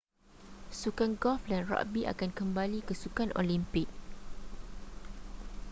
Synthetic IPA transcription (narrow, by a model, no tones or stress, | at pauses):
sukanɡɔlfdanra̰ʔbiʔa̰kankəmbalikəsukanʔo̰limpɪk̚